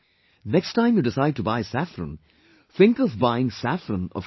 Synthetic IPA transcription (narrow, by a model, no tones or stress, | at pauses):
nɛkstʰãɪ̃mjudɪsaɪd̚tubaɪsæfɾə̰̃n | θɪ̃ŋkɔvbaɪɪ̃ŋsæfɾə̃nɔ̰v̥